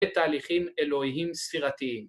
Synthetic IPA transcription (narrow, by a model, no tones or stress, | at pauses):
et̪aːliχime̞lo̞hiɦimsfiʁat̪iim